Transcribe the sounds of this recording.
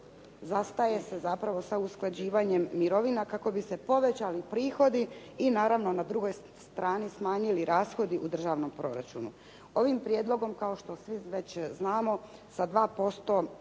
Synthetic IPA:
zast̪aje̞se̞zapɾaʋo̞sausklˠad͡ʑiːʋaːɲe̞mːiɾo̞ʋinakako̞bise̞po̞ʋe̞t͡ɕalipɾiːxo̞d̪i | inaːɾaʋno̞nad̪ɾuɡoj | st̪ɾʔaːnismaːɲiliɾaːsxo̞d̪iʔud̪r̩ʒaːʋno̞mpɾo̞ɾa̰t͡ɕṵnṵ | o̞ʋimpɾjeːd̪lˠo̞ɡo̞mkaoʃt̪o̞sʋiʋe̞t͡ɕznaːmo̞sad̪ʋaːpo̞st̪o̞

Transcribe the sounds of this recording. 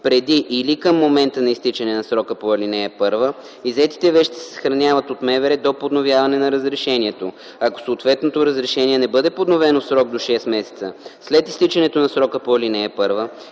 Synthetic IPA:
pɾɛd̪iʔːlikəmːomɛnt̪ənɐist̪it͡ʃɛnɛnɐsɾɔkəpoɛlinɛɛpɤɾvə | izɛt̪i̥t̪ɛvɛʃt̪ɛ̥sɛ̥sə̥xɾɐnʲavət̪ot̪mɛvɛɾɛd̪opod̪novjavɐnɛnɐɾəzɾɛʃɛniɛt̪o | ako̥soːt̪vɛt̪not̪oɾəzɾɛʃɛniɛnɛbɤd̪ɛpod̪novɛnosɾɔɡ̚d̪oʃɛsmɛsɛ̥t̪sə̰slɛt̪ist̪it͡ʃɛnɛt̪onɐsɾɔkəpolinɛɛpɤɾvə

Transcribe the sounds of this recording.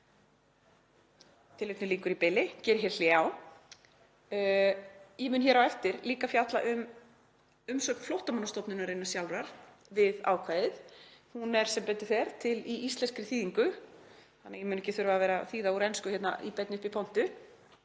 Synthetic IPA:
t̪ʰɪlet̪ʏliːŋkʏɾipɪlɪcɛːɾɦɛɾl̥jaw | jɛmʏːnçɛːɾawɛft̪ɪɾliːkafjat̪laʔʏm | ʏmsœːk̪flɔwht̪amanast̪ɔpnʏnaɾejnasjawlɾaɾ̥ | vɪða̰ːwkʰvaːjðɪðhunɛɾ̥sɛmpɾɛt̪ːɪ̥θɛɾt̪ʰɪliist̪lɛnskɾɪθiːðiŋkʏθanːajɛmʏnɛcɪθʏɾvaːvɛːɾaθiːðauɾɛnskʏçɛt̪na̰ʔipɛt̪nɪʏhpipʰɔwn̥t̪ʏ

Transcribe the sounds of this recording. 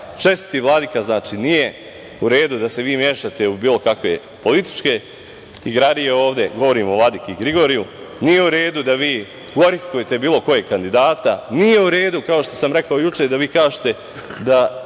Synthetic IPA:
t͡ʃe̞st̪i̥t̪iʋlˠad̪ikaznaːt͡ʃinije̞ | uɾe̞ːd̪ud̪ase̞ʋiːmjeːʃat̪e̞ubiːlo̞kakʋe̞ | po̞lit̪i̥t͡ʃke̞ | iɡɾad̪ijeo̞ːʋd̪e̞ɡo̞ʋo̞ɾiːmoʋlˠad̪ikeiɡɾiɡo̞ːɾiju | nije̞uɾe̞ːd̪ud̪aʋiː | ɡoɾifi̥kujet̪e̞biːlo̞ko̞jeɡkand̪id̪aːt̪anije̞uɾe̞ːd̪ukao̞ʃt̪o̞̥samɾe̞kaojut͡ʃed̪aʋiːkaːʒet̪e̞ | d̪a

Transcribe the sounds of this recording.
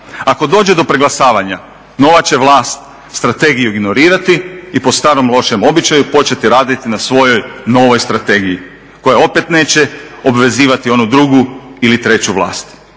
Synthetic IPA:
ako̞d̪o̞ːd͡ʑe̞d̪o̞pɾeɡlˠasaːʋaɲa | no̞ːʋat͡ɕe̞ʋlˠaːst̪ | st̪ɾat̪e̞ɡijuiɡno̞ɾiːɾat̪iipo̞st̪aːɾo̞mlˠo̞ʃemo̞bit͡ɕajupo̞t͡ɕe̞t̪iɾaːd̪it̪inasʋo̞jo̞jno̞ːʋo̞jst̪ɾat̪e̞ːɡiji | ko̞jeo̞pe̞t̪ne̞ːt͡ɕe̞o̞bʋe̞ziːʋat̪io̞nud̪ɾuɡuilit̪ɾe̞t͡ɕuʋlˠa̰ːst̪

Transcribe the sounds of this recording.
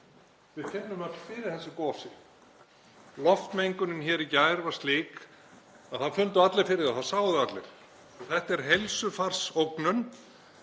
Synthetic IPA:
vɪðfʰɛpnʏmœt̪fɪɾɪɾ̥θɛsːɪkɔːsɪ | lɔft̪mejŋkʏnʏnçɛːɾicaːjɾvaɾ̥st̪liːk | aðθaðfʏnt̪ʏat̪lɪɾfɪɾɪðaθasaːwðʏat̪lɛ̰ɾ̥ | ɔθɛht̪ɛɾ̥ɦejlsʏfar̥sowknʏn

